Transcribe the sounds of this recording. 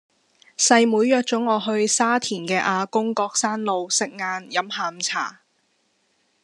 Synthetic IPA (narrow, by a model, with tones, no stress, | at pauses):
sɐ˧jmuː˨˥jːœː˧k̚t͡sʊ˨˥ŋːɔː˨˧ɦɵ˧ɥsaː˥t̪ʰiː˨˩nkɛː˧ʔaː˧kʊ˥ŋkɔː˧k̚saː˥nlo˨˧wsɪ˨k̚ŋaː˧njɐ˨˥mhaː˨˧m̩t͡sʰa̰ː˨˩